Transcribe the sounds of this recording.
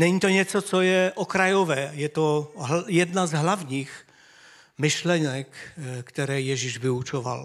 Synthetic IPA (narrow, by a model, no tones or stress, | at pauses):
nɛɲiːt̪oɲɛt͡sot͡sojɛʔokɾajovɛːjɛt̪oɦjɛd̪nazɦlavɲiːx | mɪʃlɛnɛkːt̪ɛɾɛːjɛʒiʒvɪut͡ʃova̰l